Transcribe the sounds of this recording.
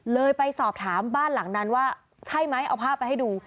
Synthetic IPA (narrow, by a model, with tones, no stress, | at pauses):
lɤː˧jpa˧jsɔː˨˩p̚t̪ʰaː˩˦mbaː˥˩nla˩˦ŋna˧˥nwaː˥˩ | t͡ɕʰa˥˩jma˦˥jʔa̰˧wpʰaː˥˩pːa˧jha˥˩jduː˧